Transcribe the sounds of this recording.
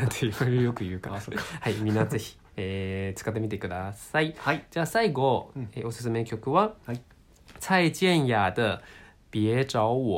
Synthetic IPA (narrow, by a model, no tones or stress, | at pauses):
ateoɾjo̞kɯ̟jɯ̟ːkaohaimmʲĩnːaze̞çi̥ | eːt͡sɨ̥kat̪ːemʲit̪ekɯ̟d̪asaid͡ʑaːsaiɡo̞eːo̞sɨ̥s̬ɨme̞kʲo̞kɯ̟βa | sait͡ɕiẽɰ̃jaːd̪ɯ | b̥ʲiet͡ɕaoo